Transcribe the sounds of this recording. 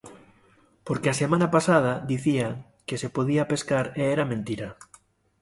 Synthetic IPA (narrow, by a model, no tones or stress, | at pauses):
poɾkeasemãnapasað̞ɐd̪iθia | kesepoðiapeskaɾeɛɾamẽnt̪iɾɐ